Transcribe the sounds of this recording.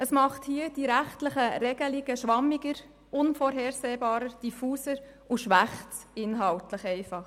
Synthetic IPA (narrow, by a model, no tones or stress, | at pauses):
əsmɑχthiːəd̥iɾæχtləχəɾɛɡəlɪɡəʃʋɑmːɪɡəɾ | ʊnfɔːɾɦɛːɾsɛːbɑːɾəɾd̥ifuːsəɾ | uʃʋæχtɪnɦɑltləχɛɪfɑχ